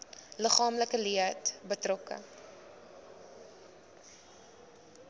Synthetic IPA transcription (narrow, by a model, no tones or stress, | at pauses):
ləχɑːmləkəliəətbətrɔkə̰